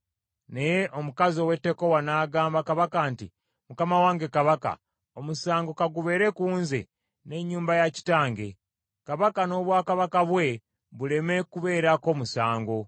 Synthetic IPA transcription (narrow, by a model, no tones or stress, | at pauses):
ne̞je̞ʔo̞mukazio̞we̞tːe̞ko̞wanaːɡaːmbakaβakaːnti | mukamawaːŋɡe̞kaβaka̰ | omusaːŋɡo̞kaɡuβe̞ːɾe̞kuːnzḛ | ne̞ɲːuːmbajaci̥taːŋɡe̞̰ | kaβakano̞ːβwaːkaβakaβwe̞ | βule̞me̞kuβe̞ːɾako̞ːmusaːŋɡo̞